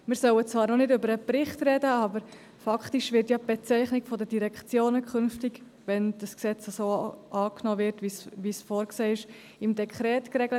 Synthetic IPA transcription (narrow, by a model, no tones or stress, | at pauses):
mɪːɾsœwət͡svɑːɾnɔnɪdʏbəɾəpɾɪχtrɛdəɑbəɾ | fɑktiʃʋɪɾtjab̥ɛt͡sɛɪχnɪkfɔdədiɾɛkχt͡sjoːnəkχʏnftɪɡ | ʋɛnd̥əsksɛt͡səsoːʔɑːknɔːvɪɾtvisʋisfɔːɾkseːɪʃ | ɪmdɛkʰχɾɛːtkrɛɡlət